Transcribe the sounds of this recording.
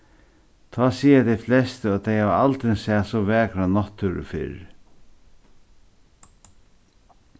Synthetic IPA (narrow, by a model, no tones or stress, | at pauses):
t̪ʰɔːsiːat̪ɛflɛst̪ɔt̪ʰejhaʋalt̪ɾɪnsæːsɔʋɛːkɾanɔt̪ʰːʊɾə̰fɪ̰ɾ